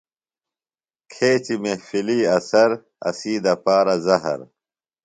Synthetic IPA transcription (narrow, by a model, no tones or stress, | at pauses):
kʰeːt͡ɕimefiliːɐsɐɾ | ɐ̰siːd̪ɐpaːɾɐzɐɦɐ̰ɾ